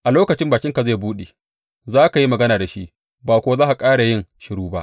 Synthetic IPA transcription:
ʔa˨loː˦kɐ˨t͡ʃɪ˦mbaː˨kʲɪ˦ŋka˨ze˦˨buː˦ɗeː˨ | zaː˦ka˨ji˦mɐ˨ɡɐ˦naː˨da˨ʃi˦ʔ | baː˨kʷoː˨˦zaː˦ʔa˨kʼaː˦ɽa˨jɪ˦ŋʃɪ˨ɽuː˦ba̰˦ʔ

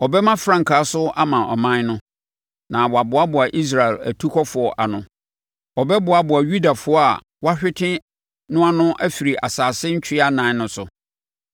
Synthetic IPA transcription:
ɔ˨bɛ˦mã˦fɾã˦ŋ˨kʰaː˨˦sʊ˦a˦mã˨ʔɔ̰˨mã˦nʊ̃˦ | nã˨wɔ˨a˨bʊ˨˦a˦bʊ˨a˨ʔi˦s̬ɾa˨ɛ˨læ̰˨tʰu˦kʰɔ˦fʊ˨ɔ˨ʔa˨nʊ̃˨ | ɔ˨bɛ˦bʊ˨a˨bʊ˨a˨ɥu˦da˨fʊ˦ɔ˦a̰˨ | wa˦ɕᶣɪ˦tʰɪ̃˦ | nʊ̃˦a˦nʊ̃˦ʔæ˦fi˨ɾi˨ʔa̰˨saː˨sɪ˦ɲ̩˦t͡ɕᶣɪ˦a˦nã˨˦nʊ̃˦sʊ˨

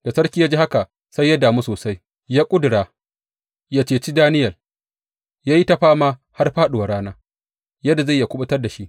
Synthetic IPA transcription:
d̥a˨sɐ˦ɽkʲiː˦ja˦d͡ʒiː˦ha˦ka˨ | sa˦jːa˦daː˨mu˦soː˨sa˦j | jaː˦kʷʼʊ˦dʊ˨ɽaː˨ | jaː˦t͡ʃeː˨t͡ʃi˦daː˦nɪ˦jɐ˨l | jaː˦ji˦ta˦ɸaː˦maː˦ | ha˦rɸaː˦ɗʊ˨wa˨ɽaː˦naː˦ | jɐ˦da˨za˦˨ja˨kʷʊ˦ɓʊ˦tɐ˦rda˨ʃi˦ʔ

